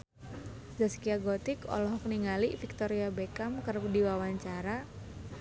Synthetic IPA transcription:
zaskiaɡɔt̪ɪkɔ̰lɔɦɔk̚niŋalifik̚t̪ɔɾiabekamkərdiwawaɲt͡ʃaɾa

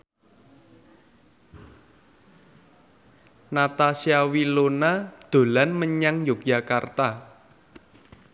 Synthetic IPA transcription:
nat̪asiawilonad̪̥o̤lanməɲaŋjokjakart̪a

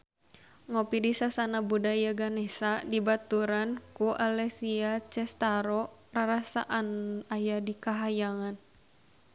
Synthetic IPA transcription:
ŋɔpidisasanabudajaɡanɛsadibat̪uɾankuʔalɛsiat͡ʃɛst̪aɾɔraɾasaʔanajadikaɦajaŋan

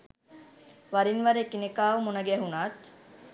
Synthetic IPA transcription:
ʋaɾinʋaɾeːkinekaːʋumunɐɡɛːɦunaːt̪

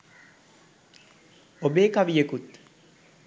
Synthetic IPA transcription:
obeːkaʋijəkut̪

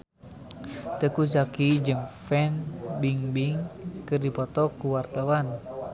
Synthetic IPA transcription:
t̪əkusakid͡ʒɨŋfɛnbiŋbiŋkɨrdipɔt̪ɔkuwart̪awan

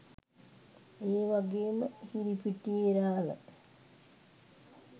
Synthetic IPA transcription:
eːʋaɡeːməhiɾipiʈieɾaːla̰

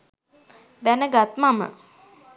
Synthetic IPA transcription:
d̪ænəɡat̪mamə̰

